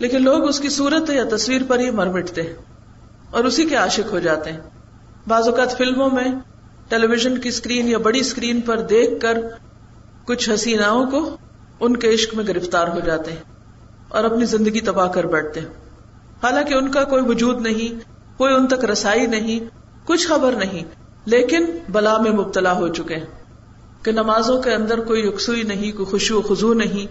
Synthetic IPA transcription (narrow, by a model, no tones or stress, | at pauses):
leːkɪnloːɡʊskisuːɾət̪ɦɛjat̪ɐswiːɾpɐɾɦimɐɾmɪʈʰt̪eɦɛ̃ | ɔːɾʊsikeaːʃɪkɦod͡ʒaːt̪eɦɛ̃ː | baːzʊkaːt̪fɪlmõmẽ | ʈeːleːʋɪʒənkiskɾiːnjabɐɽiskɾiːnpɐɾd̪eːkʰːɐɾ | kʊt͡ʃʰɦɐsiːnaːõko | ʊnkeɪʃkmẽɡɪɾɪft̪aːɾɦod͡ʒaːt̪eɦɛ̃ | ɔ̰ːɾɐpnizɪ̃nd̪əɡit̪ɐbaːɦkɐɾbɛːʈ̚ʰt̪eɦɛ̃ː | haːlãːkeʊnkakoːiʋʊd͡ʒuːd̪nɐɦĩ | koːiʊnt̪ɐkɾɐsaːinɐɦĩ | kʊt͡ʃʰxɐbəɾnɐɦĩ | leːkɪnbɐlaːmẽmʊb̚t̪əlaɦot͡ʃʊkeɦɛ̃ | kenɐmaːzõkeɐ̃nd̪əɾkoːijʊksuːinɐɦĩkoixʊʃioxʊzunɐɦĩ